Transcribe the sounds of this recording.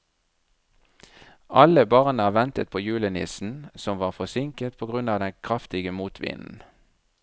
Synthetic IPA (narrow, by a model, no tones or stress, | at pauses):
ʔɑləbɑʁnəɑːʋɛnt̪ət̪̚pʰoːjʉːlənɪ̰sn̩sɔmʋɑːʁfɔsɪŋkət̪̚pʰoːɡʁʉnɑːʋd̪ɛnkʰʁɑft̪ɪɡəmuːt̪ʰʋḭːnn̩